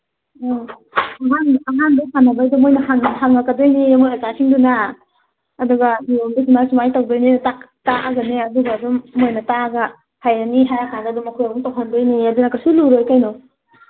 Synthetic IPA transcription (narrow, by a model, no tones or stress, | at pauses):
ɔ | ɐɦanɐɦandasanɐbajdumojnɐɦaŋɦaŋːakɐdojnimojɐzasʰiŋdunaː | duɡaːdumisumajsumajtawdojnintak | taʔaɡɐneɐduɡaːdumːojnɐtaɡa | hajaniɦajakʰadadumɐkʰojɐbuŋtawɦandojniɐdunɐkasuluɾojkajnɔ